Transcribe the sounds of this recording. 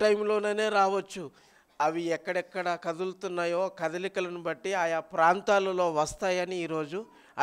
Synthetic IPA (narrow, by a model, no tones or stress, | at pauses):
ʈɐjmlo̞ːneːne̞ːɾaːʋɐt͡ʃːu | ɐʋiɛkːɐɽɛkːɐɽɐkɐd̪ult̪unːaːjoːkɐd̪ɐlikɐlɐnubɐʈːiaːjapɾaːnt̪aːlɐlo̞ːʋɐst̪aːjɐniːɾo̞ːd͡ʒu